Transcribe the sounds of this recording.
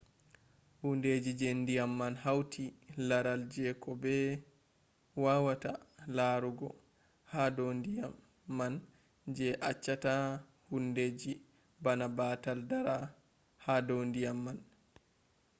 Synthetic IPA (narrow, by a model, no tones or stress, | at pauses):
hunded͡ʒid͡ʒendijamːanhawtʰilaɾald͡ʒɛkɔbɛ | waːwatalaɾuɡɔ | hadondijamː | an | d͡ʒɛʔat͡ʃːata | hunded͡ʒi | banabaːtaldaɾa | hadondijamːan